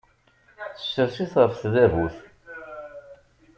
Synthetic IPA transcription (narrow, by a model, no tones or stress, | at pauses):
θə̥sːəɾsiθʁəfθðævuθ